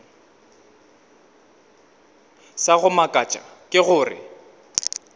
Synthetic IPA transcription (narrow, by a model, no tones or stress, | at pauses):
saɣʊmakʼat͡ʃʼa̰kʼɪɣʊːrɪ̰